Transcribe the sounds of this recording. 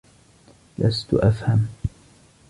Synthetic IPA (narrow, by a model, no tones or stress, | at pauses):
lʔast̪ʊʔafham